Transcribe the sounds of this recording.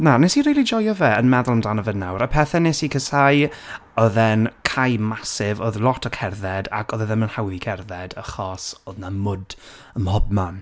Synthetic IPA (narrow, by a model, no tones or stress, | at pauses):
nanɛsiriːlid͡ʒɔjɔvɛənmɛðʊlˠmdanəvənawɾəpʰɛθɛnesikʰəsaj | ɔðɛnkʰajmasɪvoðlˠɔtʰəkʰɛrðɛda̰kʰɔðɛðɛmənhawðikʰɛrðɛdəχɔsoːðnamʊd | əmhɔb̚man